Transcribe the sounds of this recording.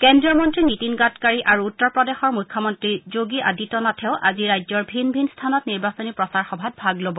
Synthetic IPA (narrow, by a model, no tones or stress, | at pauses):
kɛndɹiɔmɔntɹinitinɡatkaɹiʔaɹuutːɔɹpɹɔdɛxɔɹmujkʰːɔmɔntɹizoɡiʔa̰ditɔnatʰɛʊʔa̰ziɹajzɔɹbʱinbʱinstʰanɔtniɹbasɔnipɹɔsaɹxɔbʱat̚bʱaɡlobɔ